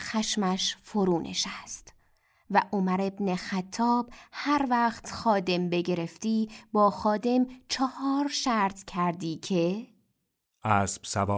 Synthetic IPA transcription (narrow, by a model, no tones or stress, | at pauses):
xæʃmæʃfoɾuːnʔḛʃæst̪ | væʔomæɾe̞bnexæt̪ʰːɒːbhæɾvæːxt̪xɒːd̪e̞mbe̞ɟe̞ɾe̞ft̪iːbɒːxɒːd̪e̞mt͡ʃʰɒhɒːɾʃæɾt̪ʰcʰæɾd̪iːcʰe̞ | ʔæsb̥sævɒː